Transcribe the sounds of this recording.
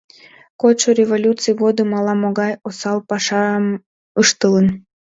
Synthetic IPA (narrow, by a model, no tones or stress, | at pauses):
kot͡ɕorʲevolʲut͡sɨjɣod̪əmɑlˠɑmoɣɑjosɑlpɑʃɑm | əʃt̪ələn